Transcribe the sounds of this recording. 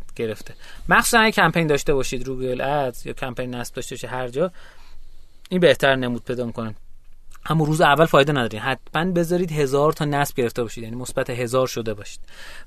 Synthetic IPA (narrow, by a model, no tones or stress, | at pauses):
ɟ̥e̞ɾe̞ft̪ʰemæxsuːsænæɡæcʰæmpejnd̪ɒːʃt̪e̞bɒːʃiːd̪ɾuːɡelæzjɒ̰ːcʰæmpʰejnːæsb̚d̪ɒːʃt̪e̞bɔʃid̪hæɾd͡ʒɒː | iːnbe̞ht̪ʰæɾne̞muːd̪̥̚pʰe̞jd̪ɒːmikʰonæʔæmːuːɾuːzeævːælfɒːjd̪enæd̪ɒːɾiːmhæt̪ʰmænbe̞zɒːɾiːd̪ɦe̞zɒːɾt̪ʰɒːnæsb̥ɟe̞ɾe̞ft̪ebɒːʃid̪jæniːmosbæt̪ʰeɦe̞zɒːɾʃo̞d̪e̞bɒːʃi̥ːd̪̥